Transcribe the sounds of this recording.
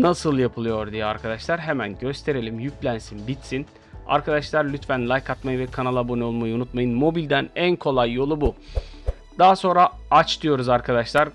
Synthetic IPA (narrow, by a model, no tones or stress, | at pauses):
nasɯlˠjapʰɯlˠɯjo̞ɾd̪ijɛaɾkʰad̪aʃlˠaɾɦemænɟø̞st̪ʰe̞ɾelʲimjyclʲænsinbit̪sin | a̰ɾkad̪aʃlˠaɾlʲyt̪fænlˠajkʰːat̪majɯvɛkʰanalˠaboniolˠmajɯunut̪majɯnmo̞bilʲd̪ænænkʰo̞lˠajːo̞lˠubu | d̪̥aɦaso̞nɾaat͡ʃt̪ʰɯjo̞ɾuzaɾkʰad̪aʃlˠaɾ